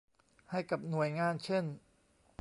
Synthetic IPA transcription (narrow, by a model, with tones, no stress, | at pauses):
ha˥˩jka˨˩p̚nu˨˩əjŋaː˧˥˨nt͡ɕʰe˥˩n